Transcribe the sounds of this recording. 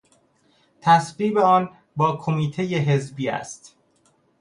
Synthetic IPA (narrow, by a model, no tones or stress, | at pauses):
t̪ʰæsɢiːbeɒːn | bɒːkʰomiːt̪ʰejeɦezbiːæ̰st̪